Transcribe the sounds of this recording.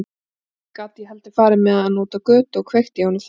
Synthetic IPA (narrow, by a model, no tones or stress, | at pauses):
kaːt̪iɦɛlt̪ɪfaːɾɪmɛðanɔːt̪akœːt̪ɔɣkʰv̥ejxt̪jaːwnʏf